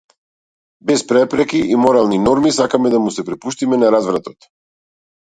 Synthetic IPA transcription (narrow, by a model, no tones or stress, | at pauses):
bɛspɾɛpɾɛkiʔimɔɾalˠninɔɾmisakamɛd̪amusɛpɾɛpuʃt̪imɛnaɾazvɾat̪ɔt̪